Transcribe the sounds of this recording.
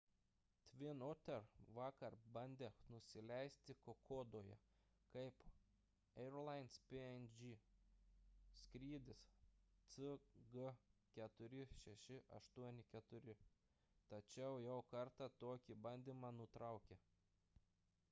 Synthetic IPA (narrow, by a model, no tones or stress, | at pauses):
t̪ʲʋʲɪnot̪ʲɛɾʋɑːkɐɾbɐnʲd̪ʲeːnʊsʲɪlʲɛɪsʲt̪ʲɪkokʰoːd̪oːjɛ̰ | kɐɪp | ɛɛɾlˠɐɪnspʲeɛnd͡ʒʲi | skɾʲiːd̪ʲɪst̪sɨɡəkʲɛt̪ʊɾʲɪʃʲɛʃʲɪʔɐʃt̪uɔnʲɪkʲɛt̪ʊɾʲɪ | t̪ɐt͡ʃʲɛʊjɛʊkɐɾt̪ɑt̪oːkʲibɐnʲd̪ʲiːmɑːnʊt̪ɾɑˑʊkʲe